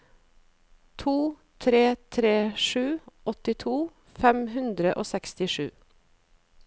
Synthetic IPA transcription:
t̪ʰuː | t̪ʰɾeːt̪ʰɾeːʂʉːʔɔt̪ɪt̪ʰuː | fɛmhʉnd̪ɾəʔoːsɛkst̪ɪʂʉ̰ː

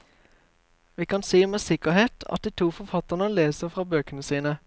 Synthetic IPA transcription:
ʋiːkɑnsiːmeːsɪkəʁheːt̪ʰɑ̰t̪̚d̪iːt̪ʰuːfɔfɑt̪əʁnəleːsəfʁɑːbøːkənəsiːnə

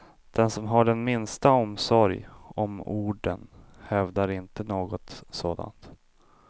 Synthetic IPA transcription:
d̪̥ɛnsɔmɦaɖɛnmɪnst̪aɔmsɔɾjɔmuːɖə̰nhɛvd̪aɾɪnt̪ənoːɡɔt̪soːd̪a̰nt̪

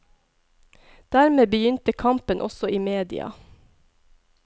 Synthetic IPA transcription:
d̪̥æːɾmeːbəjʏnt̪əkʰɑmpənʔɔsɔiːmeːd̪ɪ̰ɑ̰

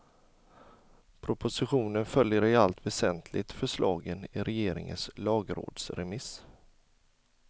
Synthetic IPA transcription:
pʰɾʊpʊsɪɧuːnənfœljəɾɪalt̪vɛsɛnt̪ʰlʔɪɡt̪fœʂlɑːɡənɪɾɛjeːɾɪ̰ŋə̰nslɑːɡɾo̰ːd̪sɾɛmɪs

